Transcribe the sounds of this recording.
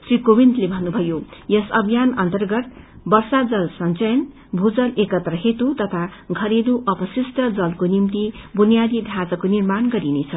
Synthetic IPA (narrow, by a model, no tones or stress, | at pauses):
srikobint̪lebʱʌnːubʱʌjojʌsʌbʱjanʌnt̪ʌrɡʌt̪̚ | bʌrsad͡zʌlsʌnt͡sʌjʌn | bʱud͡zʌlekʌt̪rʌɦet̪ut̪ʌt̪ʰaɡʱʌɾed̪uʔʌpʌsisʈʌd͡zʌlkonimt̪ibunijad̪id̪ʱãt͡sʌkonirmanɡʌɾinet͡sʰʌ